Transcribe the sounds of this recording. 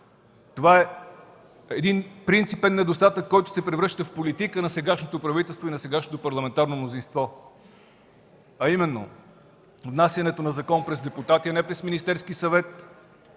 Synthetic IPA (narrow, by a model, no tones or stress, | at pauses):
t̪ovaɛ | ɛd̪inpɾint̪sipɛnːɛd̪ost̪at̪əkːɔjt̪ʊ̥sɛpɾɛvɾɤʃt̪əfpolit̪ikənɐsɛɡaʃnot̪opɾɐvit̪ɛlˠst̪voinɐsɛɡaʃnot̪opɐɾlˠɐmɛnt̪aɾnomnozinst̪vɔ | ɐimɛnːo̰ | vnasʲjɐnɛt̪onɐzɐkɔnpɾɛzd̪ɛput̪at̪iɐnɛpɾɛsminist̪ɛɾskisɐvɛt̪